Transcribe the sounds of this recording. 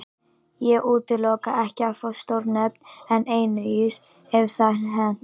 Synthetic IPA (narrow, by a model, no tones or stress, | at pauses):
jɛɣʔuːt̪ɪlɔːkaʔɛhcɪafɔst̪owɾnɛpnɛneːjnʏis | ɛv̥θaɦɛn